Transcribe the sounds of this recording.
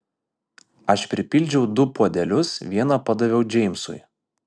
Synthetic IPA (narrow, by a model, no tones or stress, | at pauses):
ɐʃpʲɾʲɪpʲɪlʲd͡ʒʲɛʊd̪ʊpoːd̪ʲɛlʲʊsʋʲiɛnɐpɐd̪ɐʋʲɛʊd͡ʒʲɛɪmʲsʊ̰j